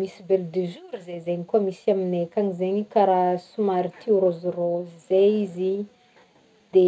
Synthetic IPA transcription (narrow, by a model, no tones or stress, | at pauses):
misibeld̪yzuɾizezeɲikuamisiaminekaŋizeɲikaɾasumaɾit̪ʰiɾozirozizeizi | d̪̥e